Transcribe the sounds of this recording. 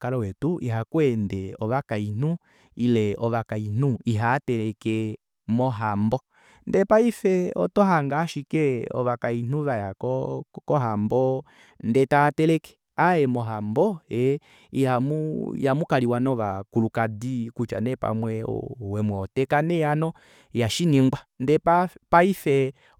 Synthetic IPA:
kalɔwɛtuʔḭɦakwɛndɛɔʋakain̥u | ilɛɔʋakain̥uiɦatɛlɛkɛ | mɔɦambɔ | ndɛpaifɛɔtɔɦaŋɡaʃikɛɔ̰ʋakain̥uβajakɔkɔɦambɔ | ndɛtatɛlɛkɛ̥ | aɛmɔɦambɔɛ | ihamṵjamukaliwanɔʋakulukadikut͡ʃa̰nɛpa̰mwɛɔ̰wɛmwɛɔtɛkanɛjanɔ | jaʃiniŋɡwandɛpaifɛ

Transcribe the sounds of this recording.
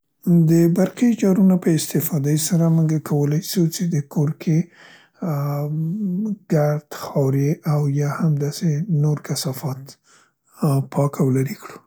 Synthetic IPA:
d̪əbaɾqid͡ʒɑɾunopəɪst̪ɪfɑd̪ajsaɾamuɡakʰawəlajsut͡ʃed̪əkoɾkʰe | ɡ̥aɾd̪xɑwɾeʔawjɑhamd̪ɑsenoɾkasɑfɑt̪ | pʰɑkawlaɾikɽu

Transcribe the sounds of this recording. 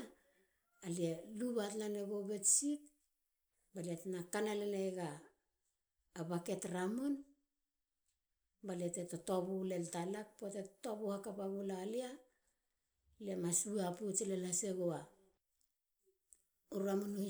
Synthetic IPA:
alieluβatnaneɡoɡe̞tsit | balietnakanalenejɡa | bake̞tɾamun | balietetotobuleltalak̚potettobuhakapaɡulaːlia | le̞masuaput͡ʃelelaseɡoa | uɾamunuhi

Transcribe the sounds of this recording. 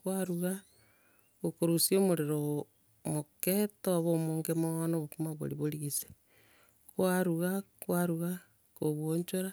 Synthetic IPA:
kwaɾuɣa | ɣokoɾusiomoɾeɾo | moketoβomoːŋɡemonoβokumaβo̰ɾiβoɾiɣise̥ | kwaɾuɣakwaɾuɣa | koβwoɲt͡ʃoɾa

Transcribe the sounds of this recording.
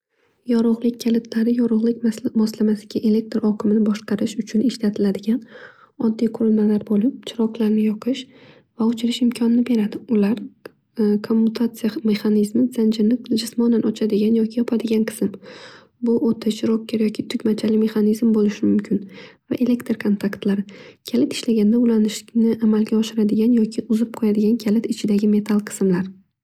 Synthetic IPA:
jɒɾʊʁlˠɪk̚ʲkʲːʰalɪt̪ʰlaɾɪjɒɾʊʁlˠɪk̚ʲmmɒslamasɪ̥ɡʲaʔe̞le̞k̚t̪ɾɒkʰɪmɪnɪbɒʃqʰɑɾɪʃʊt͡ʃʰʊnɪʃlat̪ʰɪlad̪ɪɡʲan | ɒd̪ːijqʰʊɾʊlmalaɾbolɪp̚t͡ʃʰɪɾɒqlˠaɾnɪjɒqʰɪʃ | vaʊt͡ʃʰɪɾɪʃɪmkʲʰɒnɪnɪbe̞ɾad̪ɪʊlaɾ | kʰo̞mːʊt̪ʰat̪sɨijame̞χanizmɪz̥and͡ʒɪɾnɪd͡ʒɪsmɒnanɒt͡ʃʰad̪ɪɡʲanjɒkʲʰɪjɒpʰad̪ɪɡʲanqʰɨ̥sɪm | bʊʔot̪ʰɪt͡ʃʰɾokʲʰːaɾjɒkʲʰɪt̪ʰʊkʲmat͡ʃʰalɪme̞χanizmbolɪʃɪmʊmkʲʰɪnva̰ʔe̞le̞kt̪ɾkʰont̪ʰakt̪laɾɪkʲʰalɪt̪ɪ̥ʃlaɡʲand̪aʊlanɪʃnɪʔamalɡʲaɒʃɪɾad̪ɪɡʲanjɒkʲʰɪʔʊzɪp̚qʰojad̪ɪɡʲankʲʰalɪt̪ʰɪt͡ʃʰɪd̪aɡʲɪme̞t̪ʰalˠqʰɨ̥smlaɾ

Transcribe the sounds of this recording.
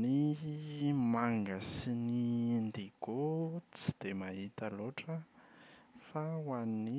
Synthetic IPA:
ni | maŋɡasinind̪eɡ̥ot͡si̥d̪̥emaɦit̪əloʈ͡ʂə | fawani

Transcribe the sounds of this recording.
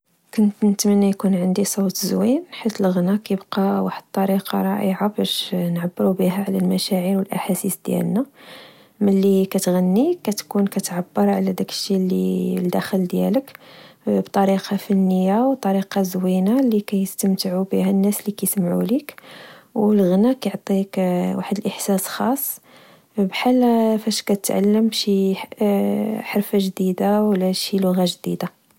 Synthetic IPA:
kʊnt̪nət̪mənːæjkunʕənd̪isˤut̪zwinħit̪əlɣnækæjəbqɑwaħəd̪̚t̪ˤːɑɾiqɑɾˤɑ̰ʔəʕabæʃnʕabːəɾubiɦæʕlælmæʃæʕiɾwəlʔaħasisd̪̥jæ̰lnæ | məlːikæt̪ɣænːikæt̪kunkæt̪ʕabːəɾˤʕlæd̪ækə̥ʃːilːḭld̪æxəld̪jæ̰lək | bt̪ˤɑɾiqɑfinːəjawt̪ˤɑɾiqɑzwinalikæjəst̪əmt̪əʕubihænːæslikæjsmʕṵlikwlɣnækæjʕt̪ˤikwaħəd̪əlʔəħsæsxɑsˤː | bħalːfæʃkæt̪ət̪ʕa̰lːəmbʃi | ħɑɾfaʒd̪id̪awlæʃilʊɣaʒd̪ḭd̪a

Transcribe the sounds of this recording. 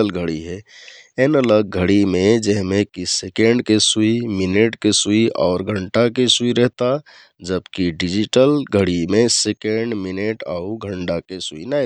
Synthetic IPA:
əlɡʱəɽiɦɛenələɡ̚ɡʱəɽimẽd͡ʒɛɦmẽkisekeɳɖkesuimineʈkesuiʔɔːɾɡʱəɳʈakesuiɾɛɦt̪a | d͡ʒəbkiɖid͡ʒiʈəlɡʱəɽimẽsekeɳɖmineʈa̰uɡʱəɳɖakesuina

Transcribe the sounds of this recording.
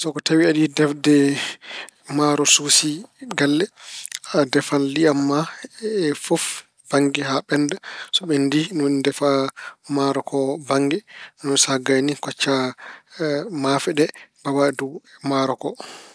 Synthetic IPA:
sɔkɔtawiaɗidɛfdɛ | maɾɔsusiɡalːɛadɛfalːiamːaɛfuf | b̥aŋɡɛɦaɓɛndasɔɓɛndinundɛfamaɾɔkʰɔbaŋɡɛnɔnsaɡanikɔt͡ʃːa | mafɛɗɛb̥awadumaɾɔkɔ

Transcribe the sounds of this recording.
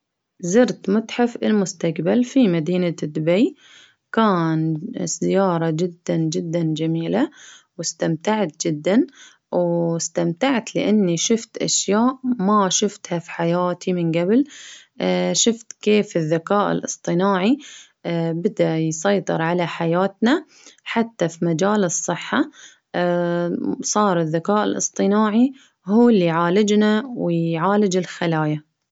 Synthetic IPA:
zɪɾt̪mʊt̪ħafɪlmʊst̪aqbalfimad̪iːnad̪ːʊbaj | kaːnsɪjɑːɾˤɑd͡ʒɪd̪ːand͡ʒɪd̪ːand͡ʒamiːla | wɪst̪amt̪aʕt̪̚d͡ʒɪd̪ːan | wɪst̪amt̪aʕt̪lɪ̰ʔanːiʃʊft̪ʔa̰ʃjaːʔmaʃʊft̪hafi̥ħajaːt̪ʰimɪnɡabl | ʃʊft̪keːfɪðːakaːʔɪ̰lʔɨ̰sˤt̪ˤɨnaːʕi | bɪd̪ajsˤɑjt̪ˤɨ̰ɾˤʕalaħajaːt̪na | ħat̪ːafimad͡ʒaːlɨsˤːɨħːa | sˤɑːɾˤɪðːakaːʔɪ̰lʔɨ̰sˤt̪ˤɨnaːʕi | ɦhuːlːijʕaːlɪd͡ʒnawɪjʕaːlɪd͡ʒɪlxalaːja

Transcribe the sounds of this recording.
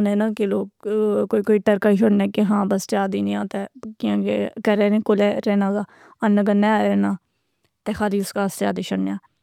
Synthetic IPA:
nẽːnaːkeloːkkoːikoːiːʈəɾkaːiːʃ̬ʊɽnɛ̃ːkeɦãːbəst͡ʃaːd̪iːnĩãːt̪ɛːkɪãːkekəɾɛːɾẽkolɛːɾɛːnãːɡaː | ənːəɡənːɛːaːɾɛːnaː | t̪ɛːxaːliːʊskaːst͡ʃaːd̪iːʃʊɽnejãː

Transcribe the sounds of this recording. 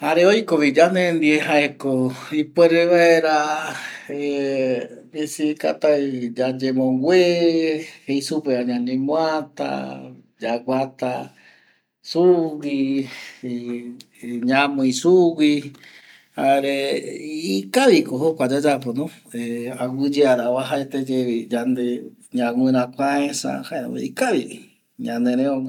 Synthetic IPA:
haɾeojkoβid͡ʒanẽnd̪ieɦaekoipweɾeʋaeɾa | e | besika̰t̪ad͡ʒad͡ʒemõŋɡʷe | heisupeaɲãɲẽmw̃at̪a̰ | d͡ʒaɡʷat̪a | suwi | ɲãmõĩsuwi | haeɾe | ikaβikohokʷad͡ʒad͡ʒaponõ | eawɨd͡ʒeaɾaβaɦaet̪ed͡ʒeβid͡ʒand̪e | ɲãwʷɨ̃ɾ̃ãkʷãesã̰haeɾõ̰ḛikaβii | ɲãnẽɾẽõŋa

